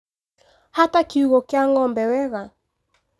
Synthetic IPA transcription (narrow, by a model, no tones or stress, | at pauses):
hatakiuɣɔkjaŋɔmbɛwɛɣa